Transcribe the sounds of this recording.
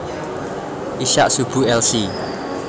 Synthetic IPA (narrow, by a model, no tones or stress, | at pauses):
ʔiʃa̰ʔsub̥ṳɛlsi